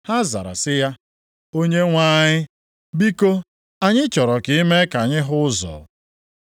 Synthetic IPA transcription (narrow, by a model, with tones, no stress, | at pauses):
ha˦za̰˨ɾa̰˨sɪ˦ja˦ | o˦ɲe˦ŋʷa˦ɲɪ˦ | bi˦ko˦ | a˨ɲɪ˦t͡ʃɔ˨ɾɔ˨kɪ˦i˦me˦ka˨ɲɪ˦ɦʊ˦zɔ̰˨